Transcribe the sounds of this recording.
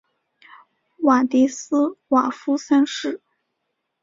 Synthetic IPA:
wa˨˩t̪i˧˥s̩˥wa˨˩fu˥sa˥nʂɻ̩˥˩

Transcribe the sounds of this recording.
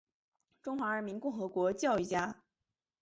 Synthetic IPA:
ʈ͡ʂʊ˥ŋxwa˧˥ɻə˧˥mi˧˥nkʊ˥˩ŋxɤ˧˥kwɔ˧˥t͡ɕjɑ˥˧ʊi˥˩t͡ɕja˥

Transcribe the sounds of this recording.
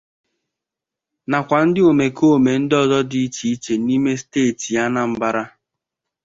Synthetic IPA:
na˨kʷa˨n̩˦dɪ˦o˨me˨ko˦˨me˨n̩˦dɪ˦ɔ˦zɔ˦di˦i˦t͡ʃi˨i˦t͡ʃe˨ni˦me˦steː˦˨ti˨a˦na˦m̩˨ba˦ɾa˦

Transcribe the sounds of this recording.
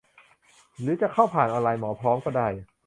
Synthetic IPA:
ɾɯː˩˦t͡ɕa˨˩kʰa˥˩wpʰaː˨˩nʔɔː˧laː˧jmɔː˩˦pʰɾɔː˦˥mkɔː˥˩daː˥˩j

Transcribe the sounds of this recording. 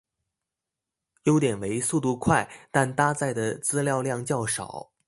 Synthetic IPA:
jo˥ʊt̪jɛ˨˩nwe˧˥ɪsu˥˧t̪u˥˧kʰwa˥˩ɪt̪a˥˩nt̪a˥t͡sa˥˩ɪd̪ə˩t͡sɹ̩˥ljɑ˥˧ʊljɑ˥˧ŋt͡ɕjɑ˥˩ʊʂɑ̰˨˩˦ʊ

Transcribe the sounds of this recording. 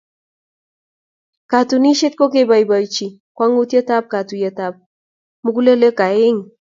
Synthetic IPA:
ka˨tu˨ni˦ʃɪ˦t̪̚ko˦ke˦ba˨jba˨jt͡ʃi˨ | kwa˦ŋu˦tje˦ta˦p̚ka˨tu˨je˦ta˨p̚ | mu˦ku˦le˦le˦ka˨ɪ˦ŋ

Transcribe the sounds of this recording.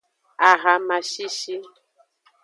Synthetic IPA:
a˨ɣa˨ma˨ʃi˦ʃi˦

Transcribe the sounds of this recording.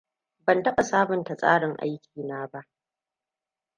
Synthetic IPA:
bɐ˨ntɐ˦ɓa˨saː˦bʊ˨nta˨sʼa̰ː˦ɽɪ˨ŋʔa̰˦jkʲiː˨naː˦ba˦ʔ

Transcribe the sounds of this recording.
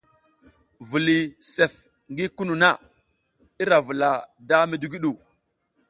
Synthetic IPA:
vu˨li˨se˨f | ŋɡi˦ku˦nu˨na˦˨ | i˦ɾa˨vu˨la˨da˦mi˨du˦ɡi˦ɗu˨

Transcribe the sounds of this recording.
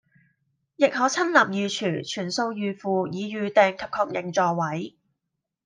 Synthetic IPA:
jɪ˨k̚hɔː˨˥t͡sʰɐ˥nlɐ˨m̚jyː˨t͡ʃʰyː˨˩t͡ʃʰyː˨˩nso˧wjyː˨˧fuː˨˧jiː˨˧jyː˨˧t̪ɛː˨ŋkʰɐ˨p̚kʰɔː˧k̚jɪ˨˩ŋt͡sɔː˨˩wɐ˨˥j

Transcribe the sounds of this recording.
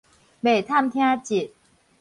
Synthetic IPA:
be˨˩t̪ʰa˥˨mt̪ʰja˦˥t͡ɕi˨˩t̚

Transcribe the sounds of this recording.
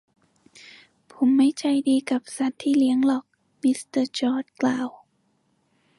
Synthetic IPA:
pʰo˨˩˦mːa˥˩jt͡ɕʰa˧˩jdiː˧ka˨˩p̚sa˧˩˦tt̪ʰːiː˥˩li˦əŋlɔː˨˩k̚ | mi˦˧˥st̪ɤ˧˩t͡ɕɔː˧˩t̪̚klaː˨˩w

